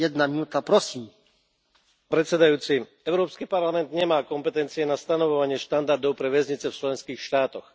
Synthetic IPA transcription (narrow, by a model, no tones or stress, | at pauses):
ɛd̪naminut̪apɾɔsim | pɾɛt̪sɛd̪ajuːt͡si | ɛʊɾɔːpskipaɾlamɛnd̪ɲɛmaːkɔmpɛt̪ɛnt͡siɛnast̪anɔʋɔʋaɲɪɛʃt̪and̪aɾd̪ɔʊpɾɛʋɛzɲit͡sɛft͡ʃlɛnskiːxʃt̪aːt̪ɔx